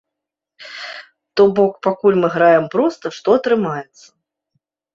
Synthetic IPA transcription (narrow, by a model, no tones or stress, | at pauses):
t̪ɔbɔkpakulʲmɨɣɾajɛmpɾɔst̪ɐʂt̪ɔɐt̪ɾɨmajɛt̪sːɐ̥